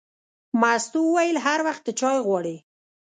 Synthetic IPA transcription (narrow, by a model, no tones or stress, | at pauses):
mast̪owəwajəlɦaɾwaxt̪̚d̪ət͡ʃɑjɣwɑɽi